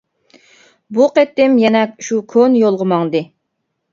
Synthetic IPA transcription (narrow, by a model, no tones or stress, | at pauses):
buqet̪ːɪmjɛnɛkʃukʰonjolˠʁəmɑŋd̪ɨ